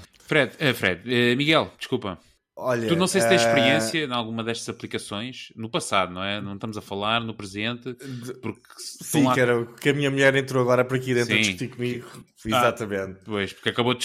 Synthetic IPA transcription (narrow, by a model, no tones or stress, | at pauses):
fɾɛðɛfɾɛ̰ðɛmiɣɛlˠd̪ɨ̥ʃkulˠpɐ | ɔʎɐunɐ̃w̃sejst̪ẽʃpɨɾiẽsjɐ̃nalˠɣumɐðɛʃt̪ɐzɐplˠikɐsõj̃ʃnupɐsaðunɐ̃w̃ɛnɐ̃w̃ʃt̪ɐmuzɐfɐlˠaɾnupɾɨzẽnt̪ɨpuɾk | sɐĩakɛɾɐkɐmiɲɐmuʎɛɾẽnt̪ɾoɐɣɔɾɐpɔɾɐkiðẽt̪sɾĩtikumiɣufiazzat̪ɐmẽnt̪pojʃpuɾkɐkɐβoð